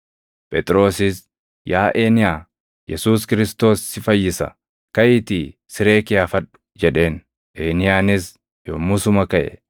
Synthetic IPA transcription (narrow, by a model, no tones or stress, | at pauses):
pʼɛt̪ʼɾo̞ːsɪs | jaːʔe̞ːnɪjaː | jɛsuːskɪɾɪst̪o̞ːsːɪfɐjːɪsɐ̰ | kɐʔɪt̪iː | sɪɾe̞ːkɪjaːfɐᶑʊ̥d͡ʒɛᶑe̞ːn | ʔeːnɪjaːnɪs | joːmʊsʊmɐkɐʔɛ̰